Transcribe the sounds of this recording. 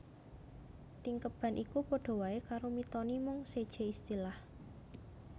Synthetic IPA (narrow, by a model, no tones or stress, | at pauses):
t̪iŋkəb̥a̤nʔikupoɖ̥o̤waekaɾomit̪ɔnimʊŋsed̥ʒ̥e̤ist̪ilah